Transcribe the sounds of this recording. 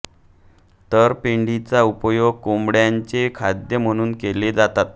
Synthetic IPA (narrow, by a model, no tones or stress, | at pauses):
t̪əɾpiɳɖit͡saupəjoɡ̚kombɽjaɲt͡sekʰad̪jəm̤əɽ̃uːnkeled͡zat̪at̪̚